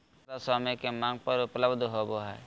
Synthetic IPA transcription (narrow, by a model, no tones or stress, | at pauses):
asaːmekemãːŋɡ̚pəɾʊpləbd̪ʱɦoːboɦɛː